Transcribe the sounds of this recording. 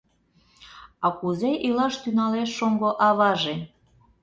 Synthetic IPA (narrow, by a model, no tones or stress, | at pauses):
ɑkuzeʔilɑʃt̪ynɑleʃːoŋɡoʔɑβɑʒe